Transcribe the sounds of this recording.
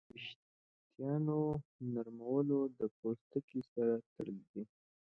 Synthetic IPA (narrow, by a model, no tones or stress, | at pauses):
ɪʃ | t̪jɑnonaɾmawəlod̪əpost̪əkisaɾat̪əɽəld̪i